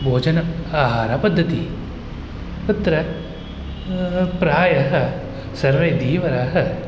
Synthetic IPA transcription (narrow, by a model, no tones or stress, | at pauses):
bʱoːd͡ʒɐnɐaːɦaːɾapɐd̪ʱːɐt̪i | pɐt̪ɾɐ | pɾaːjɐɦɐ̆ | sɐɾʋeːd̪iːʋɐɾɐɦɐ̆